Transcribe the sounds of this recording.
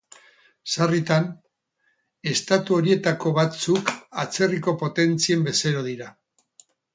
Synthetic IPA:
sarit̪an | e̞st̪at̪uo̞ɾie̞t̪ako̞βat͡sukat͡se̞riko̞po̞t̪e̞nt͡sie̞mbe̞seɾo̞ð̞iɾa

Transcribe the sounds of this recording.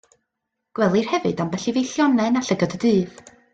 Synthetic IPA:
ɡ̥wɛlˠɨr̥hɛvɨdambɛɬivejɬjɔnɛnaɬəɡɔdədɨːð

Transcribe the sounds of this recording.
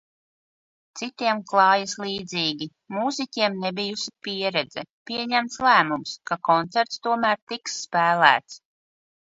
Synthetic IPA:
t̪sit̪iɛmklˠɑːjisliːd̪ziːɡʲi | muːzikʲiɛmnɛbijusipiɛɾɛd̪zɛ̰pʲiɛɲæmt̪slæːmumskakɔnt̪sæɾt̪st̪uɔmæːɾt̪iksːpæːlæ̰ːt̪s

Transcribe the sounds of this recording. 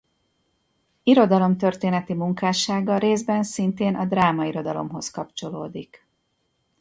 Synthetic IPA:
iɾo̞d̪ɒlo̞mt̪ø̞rt̪eːnɛt̪imuŋkaːʃaːɡɒɾeːzbɛnsint̪eːnʔɒd̪raːmɒiɾo̞d̪ɒlo̞̰mɦo̞skɒpt͡ʃo̞loːd̪ik

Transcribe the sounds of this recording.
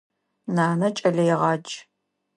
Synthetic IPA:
naːnɐt͡ʃʼɐɮɐjɛʁɑːt͡ʃʼ

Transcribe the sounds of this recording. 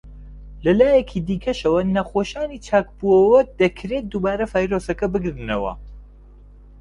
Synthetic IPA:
lɐlaːjɐkʰid̪iːkʰɐʃɐwɐnɐxoːʃaːniːt͡ʃʰaːk̚buɐwɐd̪ɐkʰɾet̪̚d̪uːbaːɾɐfaːjɾosɐkɐbɨɡɾɨnɐwɐ̰

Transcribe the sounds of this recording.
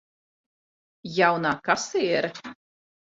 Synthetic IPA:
jawnaːkasiːɛɾ

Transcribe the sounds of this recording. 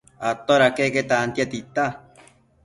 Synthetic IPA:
at̪oɾakeket̪aːnt̪jat̪it̪a

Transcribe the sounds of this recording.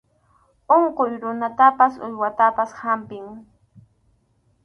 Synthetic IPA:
oɴqojɾʊnat̪apasʊ̰jwat̪apashampɪŋ

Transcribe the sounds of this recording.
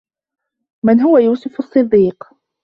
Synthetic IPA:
mɪnɦʊwajuːsʊfɑsˤːɨd̪ːiːq

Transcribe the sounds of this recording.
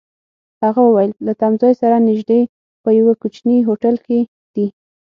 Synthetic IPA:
haɣawəwajəllat̪amzɑjsaɾanɪʒd̪e | pəjawakut͡ʃniɦoʈalke | d̪̥i

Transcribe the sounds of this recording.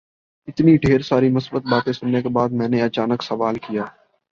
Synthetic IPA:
ɪt̪niɖʱeːɾsaːɾimʊsbət̪̚baːt̪ẽsʊnːekebaːd̪̚mɛ̃ːneɐt͡ʃaːnəksɐʋaːlkijaː

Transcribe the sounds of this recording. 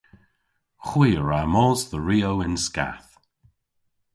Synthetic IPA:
xwiːəɹamɔːzðəɹiːowɪnska̰θ

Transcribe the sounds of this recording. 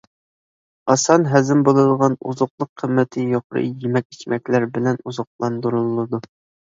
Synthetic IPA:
ɑsɑnɦæzɪmbolˠɨd̪ʁɑnṵzʊqlˠəqʰːəmːɛt̪ʰɪjoqɾɨ̰jemɛk̚ʲit͡ʃmɛkʲlæɾbɪlɛnuzɑq̚lˠɑnd̪uɾulˠːɨd̪u

